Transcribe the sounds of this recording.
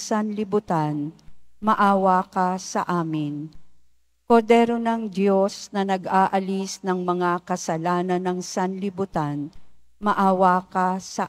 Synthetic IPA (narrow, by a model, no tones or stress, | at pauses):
sɐnlɪbʊt̪anmɐʔaːwakasɐʔaːmɪn | koɾd̪ɛːɾonɐŋd̪jo̞snɐnɐɡʔaːʔɐlisnɐŋmɐŋakɐsɐlaːnɐnɐŋsɐnlɪbʊt̪anmɐʔaːwakasɐ